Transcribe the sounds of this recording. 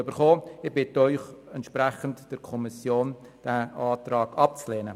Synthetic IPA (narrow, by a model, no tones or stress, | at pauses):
ybəɾχoːɪbɪtəœʏχɛnt̪ʃpɾæχəntd̥əɾkʰɔmisjoːn | d̥æɑːtrɑːɡ̥ɑp̚t͡sleːnə